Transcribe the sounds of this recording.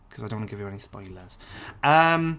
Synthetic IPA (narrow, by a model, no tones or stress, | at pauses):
kʰʌzaɪdõnwɔnəɡɪvjəɛnispɔ̰ɪləz̥ʌ̃m